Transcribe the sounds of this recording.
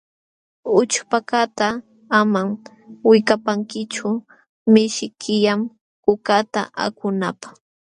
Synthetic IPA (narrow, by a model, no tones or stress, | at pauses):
ʊt͡ʃpakat̪a | amam | wɪkapaŋkɪt͡ʃʊ | mɪʃɪkʰɪjam | kʊkat̪a̰ʔa̰kʊnapḁ